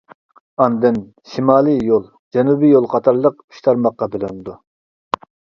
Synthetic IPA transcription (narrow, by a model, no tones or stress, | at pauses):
ɑnd̪ɨn | ʃimɑːlˠɨjolˠ | d͡ʒɛnubijolˠqʰɑt̪ʰɑɾlˠəq̚y̥ʃt̪ʰɑɾmɑqːɑbelynɪd̪u